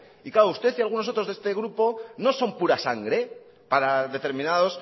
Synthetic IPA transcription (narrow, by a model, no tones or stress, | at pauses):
ikaoust̪e̞θialɣ̞unos̬ot̪ɾo̞zðest̪e̞ɣɾupo̞no̞so̞mpuɾasaŋɡɾe̞ | paɾaðe̞t̪e̞ɾmĩnaðo̞s